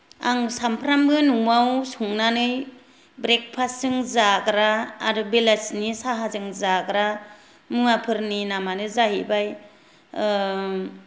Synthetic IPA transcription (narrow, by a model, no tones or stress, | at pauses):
aŋsampʰɾamɡɯnuŋawsuŋnanɯj | bɾek̚pʰasːɯŋzaɡɾaːɾɯbelasnisaɦazɯŋzaɡɾa | mɯapʰɯɾninamanɯzaɦibaj